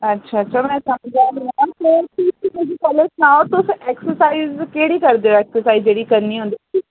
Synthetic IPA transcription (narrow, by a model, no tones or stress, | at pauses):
ɐtːʃʰaɐtːʃʰamɛ̃ːsɐməd͡ʒãːɦaãt̪okiimed͡ʒikɔleʈnaːot̪oseːksəɾsaːizkeːɽikɐɾd̪eoeːksəɾsaːizd͡ʒeːɽikɐɾniɦõnd̪ii